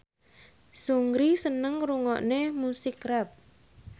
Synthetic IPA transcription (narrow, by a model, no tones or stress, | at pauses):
suŋɡɾisənəŋruŋɔʔnemusɪkrɛp̚